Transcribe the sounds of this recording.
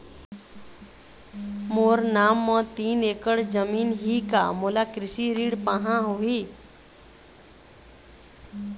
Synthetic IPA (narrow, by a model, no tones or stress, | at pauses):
moːɾnaːmːə̃t̪iːneːkəɽd͡ʒəmiːnɦiːka̰moːlakɾɪsiɾiːɽpaɦãɦoːɦiː